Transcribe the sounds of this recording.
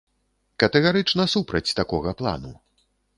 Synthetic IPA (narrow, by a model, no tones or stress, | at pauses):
kɐt̪ɛɣaɾɨt͡ʂnɐsupɾɐt͡sʲt̪akɔɣɐplˠa̰nu